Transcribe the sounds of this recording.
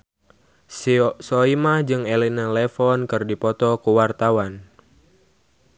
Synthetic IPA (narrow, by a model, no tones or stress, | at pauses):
sɔimad͡ʒɨŋelinalefɔnkɨrdipɔt̪ɔkuwart̪awan